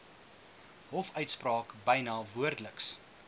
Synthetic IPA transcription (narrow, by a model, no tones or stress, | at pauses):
ɦɔfœɥtsprɑːkbəjnɑːvuərdələks